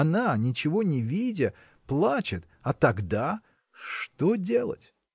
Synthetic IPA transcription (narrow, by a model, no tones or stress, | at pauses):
ɐnanʲɪt͡ɕɪvo̞nʲɪvʲidʲɪ | plˠat͡ɕɪt̪ | ɐt̪ɐɡd̪a | ʂt̪odʲe̞lˠə̰tʲ